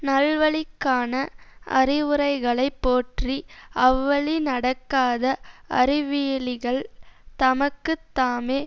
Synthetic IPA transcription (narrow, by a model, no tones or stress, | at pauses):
nɐlʋɐɭɪkːaːnɐʔɐ̰rɪʋɯrɐɪɣɐɭɐɪpːoːʈriʔɐʋːɐɭinɐɽɐkːaːðɐʔɐ̰rɪʋijɭɪɣɐɭt̪ɐmɐkːɯt̪ːaːmeː